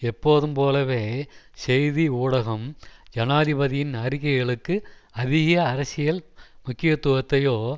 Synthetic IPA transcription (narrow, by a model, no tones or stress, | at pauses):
ɛpːoːðɯmpoːlɐʋeː | sɛjðiuːɽɐɣɐmd͡ʒɐnaːðɪbɐðɪjɪnɐɾɪkːɐɪɣɐɭɯkːɯɐðɪɣɐjɐːɾɐsɪjɐlmʊkːɪjɐt̪ːʊɣɐt̪ːɐjoː